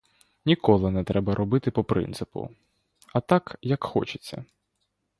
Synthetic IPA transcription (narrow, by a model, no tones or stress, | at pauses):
nʲikɔlˠɪnɛt̪ɾɛbɐɾʔɔbɪt̪ɪpɔpɾɪ̰nt̪sɪpʊ̰ | ɐt̪akjɐkxɔ̰t͡ʃɪ̥t͡sʲːɐ̰